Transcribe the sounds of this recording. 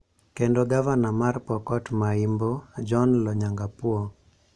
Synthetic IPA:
kendoɡavanamarpɔkɔtmaimbod͡ʒɔnlɔɲaŋɡapwɔ

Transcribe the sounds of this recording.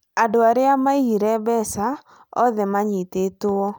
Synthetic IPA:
adoaɾɪamaiɾɛbɛsa | ɔ̰ðɛmaɲitetʊɔ

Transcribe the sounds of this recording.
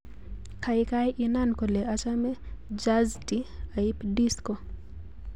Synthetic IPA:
kʰaɪkajʔɪnankoleat͡ʃamɛd͡ʒaztiaipdisko

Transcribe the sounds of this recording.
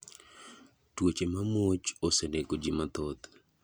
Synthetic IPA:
twot͡ʃemamot͡ʃoseneɡod͡ʒimat̪ɔt̪

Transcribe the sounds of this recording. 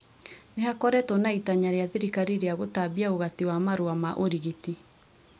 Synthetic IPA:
neɦakɔɾɛtɔnaitaɲaɾeaðeɾikaɾiɾeaɣotabiaoɣatiwamaɾoamaʔoɾiɣiti

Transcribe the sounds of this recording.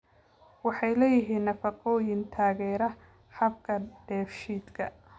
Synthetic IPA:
wɑħɑjlɛːjɪɦiːnːɐfɑqɔːjɪnt̪ʰaːɣɛːɾɐ | ħɐb̚kʰɐɖ̥ɛːfʃiːd̪kʰɐ

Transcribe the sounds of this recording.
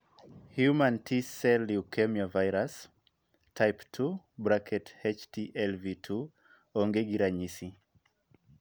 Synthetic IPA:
hjumãntʰisɛliukɛmiɔvajɾas | tʰajptʰu | bɾakʰɛthɛt͡ʃtʰiʔɛlvitʰu | ɔŋɡɛɡiɾaɲisi

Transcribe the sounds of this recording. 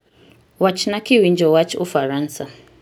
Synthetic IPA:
wat͡ʃnakiwind͡ʒɔwat͡ʃufaɾansa

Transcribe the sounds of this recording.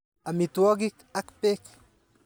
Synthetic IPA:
amit̪waɡik | akpek

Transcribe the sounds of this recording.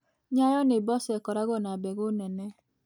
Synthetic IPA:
ɲajɔnebɔsɛkɔɾaɡɔnabeɡonene

